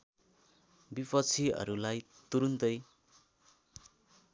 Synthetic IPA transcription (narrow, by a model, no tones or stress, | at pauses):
bipʰʌt͡sʰiʌ̰ɾulajt̪uɾund̪ʌj